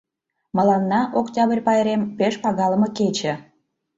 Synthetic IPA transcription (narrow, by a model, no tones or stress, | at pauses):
mə̆lɑnːɑʔoktʲɑbərʲpɑjeɾempeʃpɑɣɑlə̆mɤket͡ɕĕ